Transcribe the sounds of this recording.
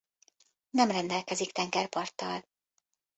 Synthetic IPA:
nɛmrɛnd̪ɛlkɛzikt̪ɛŋɡɛrpɒrt̪ːɒl

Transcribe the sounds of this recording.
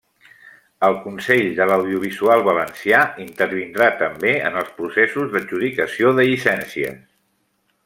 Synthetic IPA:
əlˠkunsɛʎd̪ələwðiuβ̞izualˠβələnsiaint̪əɾβ̞ind̪ɾat̪əmbeə̰nəlˠspɾusɛsuzðəʒuðikəsioðəʎisɛnsiə̰s

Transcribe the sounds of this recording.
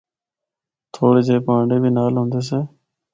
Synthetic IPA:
t̪ʰoːɽeːd͡ʒeːpãːɳɖeːbʱiːnaːlɦõːnd̪eːs̬eː

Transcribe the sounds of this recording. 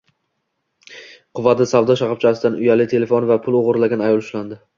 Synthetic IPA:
qʰʊvad̪ɪsavd̪ɒʃaqɑp̚t͡ʃʰasɪd̪anʊjalɪt̪ʰe̞le̞fonvapʰʊlˠoʁʊɾlaɡʲanajɒlˠʊʃland̪ɪ

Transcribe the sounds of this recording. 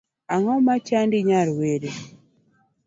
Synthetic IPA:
aŋɔmat͡ʃandiɲaɾweɾe

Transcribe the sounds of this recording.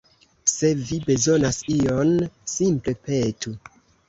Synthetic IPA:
se̞vibe̞zo̞nasio̞nsimple̞pe̞tu

